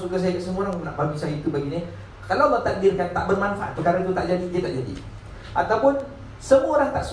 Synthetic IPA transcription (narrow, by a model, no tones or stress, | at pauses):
sukas̬ajakaʔsəmuoɾaŋnaʔbaɡisajait̪ubaɡini | kalawmat̪ak̚dɪrkant̪aʔbərmanfaʔat̪ːukaɾait̪ut̪aʔd͡ʒadidiat̪aʔd͡ʒadḭ | ʔat̪awpʊn | səmuaoɾaŋt̪aʔs